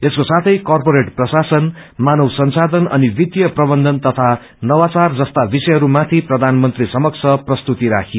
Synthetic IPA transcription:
eskosat̪ʰʌjkʌrpoɾeʈprʌsasʌn | manʌwsʌnsad̪ʌnʌ̰nibid̪jʌprʌbʌnd̪ʱʌnt̪ʌt̪ʰa | nʌwat͡sard͡zʌst̪abisʌjɦʌɾumat̪ʰiprʌd̪ʱanmʌnt̪risʌmʌk̚t͡sʰʌprʌst̪ut̪iɾa̰kʰi

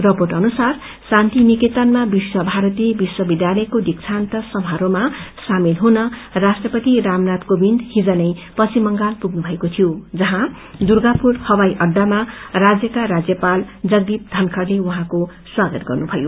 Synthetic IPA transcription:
rʌpoʈʌnusar | sãnt̪iniket̪ʌnmabiswʌbʱaɾʌt̪iebiswʌbid̪jalʌjkod̪ik̚t͡sʰant̪ʌsʌmʱaɾomasamilɦunʌrasʈrʌpʌt̪iɾamnat̪kobind̪hid͡zʌnʌjpʌsimʌŋɡalpuɡnubʱʌekot̪ʰijod͡zʌɦã | d̪urɡapurhʌwajʔʌɖːamarad͡zjʌkaɾad͡zjʌpald͡zʌɡd̪ip̚d̪ʱʌnkʰʌrlewuɦãko | swaɡʌt̪ɡʌrnubʱʌjo̰

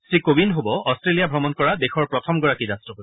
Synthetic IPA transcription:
sɹikobinɦobɔɔstɹelijabʱɹɔmɔnkɔɹadexɔɹpɹɔtʰɔmɡɔɹakizastɔɦo

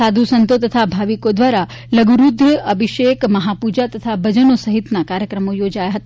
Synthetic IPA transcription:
ad̪ʱusənt̪ot̪ət̪ʰabʱaʋikod̪ʋaɾa | ləɡuɾud̪ʱjəəbʱiʃekməɦapud͡ʒat̪ət̪ʰabʱəd͡ʒənosəɦit̪nakaɾjəkɾəmojod͡ʒajaɦət̪a

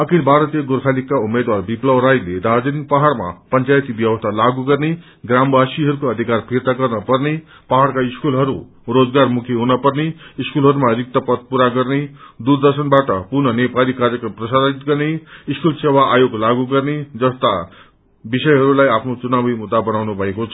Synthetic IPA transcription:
ʌkʰilbʱaɾʌt̪ijʌɡoɾkʰalikːaumed̪warbiplʌwɾajled̪ad͡zʌnik̚paɦaɽma̰pʌnt͡sajt̪ibjʌwʌst̪ʰalaɡuɡʌrne | ɡrambʱasiɦʌɾukoʌd̪ʱikarpʰirt̪aɡʌrnʌpʌrne | paɦaɽkaiskulɦʌɾu | rod͡zɡarmukʰjeɦunʌpʌrneiskulɦʌɾumarik̚t̪ʌpʌd̪̚puɾaɡʌrned̪urd̪ʌrsʌnbaʈʌpurnʌnepalikarjʌkprʌsait̪ɡʌrneiskulsewaʔajoɡlaɡuɡʌrned͡zʌst̪a | bisʌjɦʌɾulajapʰnot͡sunabʱimud̪ːabʌnawnubʱʌekot͡sʰʌ

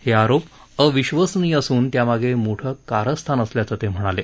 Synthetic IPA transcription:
heaɾop | əʋiɕʋəsniːəsuːnt̪jamaɡʱemoʈʰəkaɾəst̪ʰanəsljat͡sət̪em̤əɽ̃ale

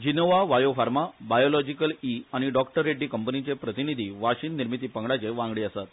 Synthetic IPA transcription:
d͡ʑinoʋaʋajofaɾmabajolɔd͡ʑikəliaɽ̃iɖɔkʈəɾːeɖːiːkəmpənit͡ɕepɾət̪inid̪ʱiːʋaɕiːnːiɾmit̪iːpəŋɡɭat͡seʋãŋɡɽiːəsat̪

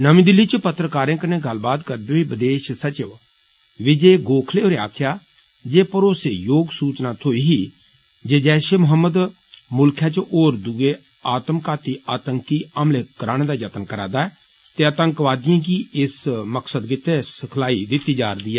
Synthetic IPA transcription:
nəmĩːd̪ɪlːiːt͡ʃəpət̪ɾəkaːɾẽːkənẽːɡəlbaːt̪kəɾd̪eːiːbəd̪eːʃsət͡ʃeʋ | ʋɪd͡ʒeːɡoːkʰleːɦoːɾea̰ːkʰjaː | d͡ʒeːpəɾoːseːjoːɡsuːt͡ʃnaːt̪ʰoːiːɦiː | d͡ʒeːd͡ʒɛːʃeːmʊɦəmːəd̪ | mʊlkʰjaːt͡ʃʔoːɾd̪ʊɡeː | aːt̪mkaːt̪iːʔaːt̪əŋkiːəmleːkəɾaːñeːd̪aːd͡ʒət̪ənkəɾa̰ːd̪aːɛː | t̪eːət̪əŋkʋaːd̪ɪjãːkiːɪsməksəd̪kɪt̪eːsəkʰlaːid̪ɪt̪iːd͡ʒaːɾd̪iːɛː

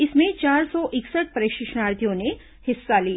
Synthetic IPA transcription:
ɪsmẽt͡ʃaːɾsɔʔɪksəʈ̚pɐɾɪkʃɪʃnaːɾt̪ijõne | hɪsːali

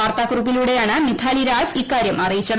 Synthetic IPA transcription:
aːrt̪aːkrubiluːɽe̞jaːɳɨmit̪ʰaːliɾaːd͡ʑikːaːɾjɐmɐrijit͡ɕːɐð

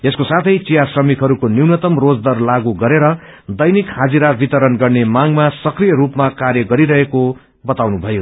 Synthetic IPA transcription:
eskosat̪ʰʌjt͡sijasrʌmikɦʌɾukoniwnʌt̪ʌmrod͡zd̪ʌrlaɡuɡʌɾeɾʌ | d̪ʌjnikhad͡ziɾabit̪ʌɾʌnɡʌrnemaŋmasʌkrijʌɾupmakarjʌɡʌɾiɾʌɦeko | bʌt̪awnubʱʌjo

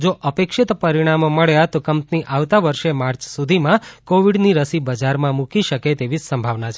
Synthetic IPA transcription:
d͡ʒoʔəpekʃɪt̪pəɾiɽ̃amoməɭjat̪okəmpniʔaʋt̪aʋəɾʃemaɾt͡ʃsud̪ʱimãkoʋiɖniɾəsibəd͡ʒaɾmãmũkiʃəket̪eʋisəmbʱaʋnat͡ʃʰe

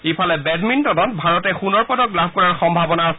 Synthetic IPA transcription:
ipʰalɛbɛdmintɔdɔnbʱaɹɔtɛxunɔɹpɔdɔklabʱkɔɹaɹxɔmbʱabɔnaɔs

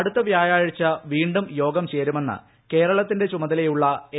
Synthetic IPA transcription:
ɽut̪ːɐʋjaːjaːɻit͡ɕːɐʋiːɳɖumjo̞ːɡɐmt͡ɕe̞ːɾume̞nːɨ̰ | ke̞ːɾɐɭɐt̪ːinde̞t͡ɕumɐðɐlɐjuɭːɐ

